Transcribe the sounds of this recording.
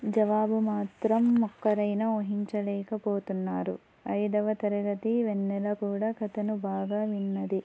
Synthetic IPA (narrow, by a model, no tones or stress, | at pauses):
d͡ʒɐʋaːbumaːt̪ɾɐmːɔkːɐɾɐjnɐoɦiɲt͡ʃɐlɛːkɐpoːt̪unːaːɾu | ɐjd̪ɐʋɐt̪ɐɾuɡɐt̪iʋenːɛlɐkuːɽaːkɐt̪ɐnubaːɡaːʋinːɐd̪i